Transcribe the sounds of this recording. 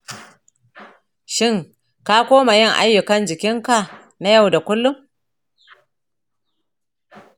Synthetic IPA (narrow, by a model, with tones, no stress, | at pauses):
ʃɪ˦ŋ | ka˦kʷoː˦ma˨jɪ˦˨ŋʔa̰˦jːʊ˨kɐ˦nd͡ʒɪ˨kʲɪ˦ŋka˨ | na˦ja˦˨wda˨kʷʊ˦lːʊ˦m